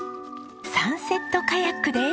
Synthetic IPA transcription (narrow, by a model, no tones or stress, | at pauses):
sãɰ̃se̞t̪ːo̞kajakɯ̟d̪e